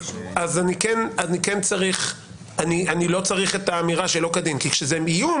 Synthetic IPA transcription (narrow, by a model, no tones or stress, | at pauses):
azanikenanikent͡saʁiχ | anianilo̞t͡saʁiχe̞t̪aːmiʁaʃelo̞kad̪inkikʃezemijum